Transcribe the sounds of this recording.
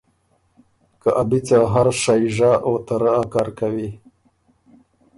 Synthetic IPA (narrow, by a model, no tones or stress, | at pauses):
kəʔabit͡saɦaɾʂajʐaʔot̪aɾəakɑɾkawi